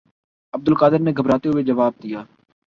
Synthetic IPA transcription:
əb̚d̪əlkaːd̪ɪɾneːɡʱəbɾaːt̪eɦued͡ʒəʋaːb̚d̪ijaː

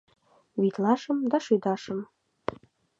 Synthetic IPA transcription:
βit̪lɑʃəmd̪ɑʃyjd̪ɑʃəm

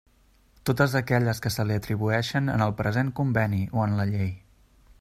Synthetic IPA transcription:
t̪ot̪əzəkɛʎəskəsəliət̪ɾiβ̞uɛʃənə̰nəlˠpɾəzeŋkumbɛniʔoənləʎej

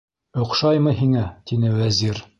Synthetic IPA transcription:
ŏqʃɑjmɤɦiŋæt̪inɘwæziɾ

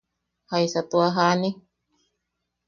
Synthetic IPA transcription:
haisat̪uaɦani

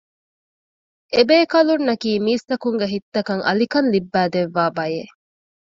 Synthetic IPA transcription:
ebeːkɐlunːɐkiːmiːst̪ɐkuŋɡeɦit̪ːɐkɐŋʔɐ̰likɐnlibːæːd̪eʋːaːbɐje

